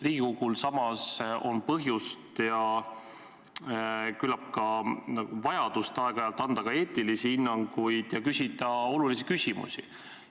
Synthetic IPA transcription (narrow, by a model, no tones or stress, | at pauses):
riːɡ̥ikoɡ̥ulsɑmɑso̞npɤɦjust̪jɑ | kylɑp̚kɑɑuvɑjɑd̪̥ust̪eɑeɡ̥ɑɑjɑlt̪ːˑɑnd̪ɑkɑe̞ːt̪ilisihinːɑŋɡ̥ujd̪̥jɑkysʲit̪ɑo̞lulisikysʲimṵsḭ